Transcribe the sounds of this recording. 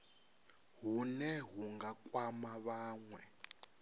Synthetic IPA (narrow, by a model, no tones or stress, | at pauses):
ɦunɛɦuŋɡakʼwamaβaːŋwɛ